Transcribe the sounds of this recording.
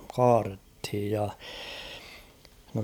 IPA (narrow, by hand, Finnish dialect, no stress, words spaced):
kɑːrethij jɑ no